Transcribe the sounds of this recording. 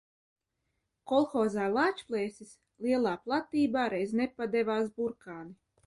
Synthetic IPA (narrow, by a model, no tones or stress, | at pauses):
kɔlˠxɔːzaːlˠaːt͡ʃplˠɛːsis | lˠiɛlˠaːplˠat̪iːbaːɾɛjznɛpad̪ɛvaːs̬buɾkaːni